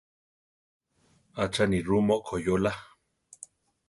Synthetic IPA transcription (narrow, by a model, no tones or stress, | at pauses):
at͡ʃanirumoʔkʰojola